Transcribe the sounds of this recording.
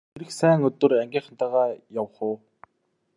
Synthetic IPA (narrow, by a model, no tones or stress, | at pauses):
eɾɘ̆xsæːŋɵt̪ɵ̆rɾæŋɡʲiːŋχə̆nt̪aːʁaːjawχʊː